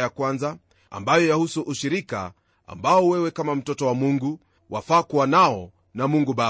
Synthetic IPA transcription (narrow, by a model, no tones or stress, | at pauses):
jakwanza | a̰mbajɔjahusuʔuʃiɾika̰ | a̰mbaɔwɛwɛkamam̩tɔtɔwamuŋɡu | wafaːkuwanaɔ | namuŋɡuɓa